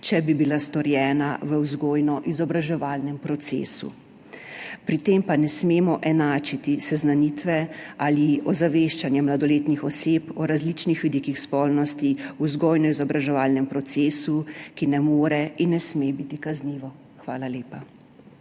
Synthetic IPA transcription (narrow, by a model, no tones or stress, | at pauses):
t͡ʃɛbibilast̪ɔɾjɛːnaʋəwzɡoːjnɔʔizɔbɾaʒɛʋaːlnɛmpɾɔt̪sḛːsṵ | pɾit̪eːmpanɛsmeːmɔʔɛnaːt͡ʃit̪isɛznanit̪ʋɛaliɔzaʋeːʃt͡ʃanjɛmlad̪ɔleːt̪nixɔseːpɔɾazlit͡ʃnixʋid̪ikixspɔlnɔst̪iuzɡoːjnɔizɔbɾaʒɛʋaːlnɛmpɾɔt̪seːsukinɛmoːɾɛinːɛsmebit̪ikazniːʋɔ | xʋaːlaleːpa